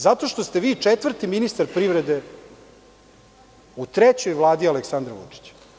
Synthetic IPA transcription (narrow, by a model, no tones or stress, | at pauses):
zat̪o̞ʃt̪ost̪eʋiːt͡ʂet̪ʋvr̩t̪iminist̪aɾpɾiʋɾed̪e̞ | ut̪ɾet͡ɕojʋlˠaːd̪ialeksand̪ɾaʋṵt͡ʂi̥t͡ɕḁ